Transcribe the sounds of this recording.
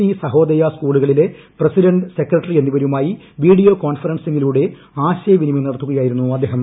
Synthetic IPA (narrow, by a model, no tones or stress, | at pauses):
isɐɦo̞ːd̪ɐjaskuːɭuɣɐɭile̞ | prɐsiɾɐɳɖse̞krɐʈːɐrienːuʋɐɾumaːji | ʋiːɽijo̞ːkoːɳfɐrɐnsiŋɡiluːɽe̞ | aːɕɐjɐʋinimɐmnɐɽɐt̪ːuɣɐjaːjiɾunːuɐd̪ʱːeːɦɐm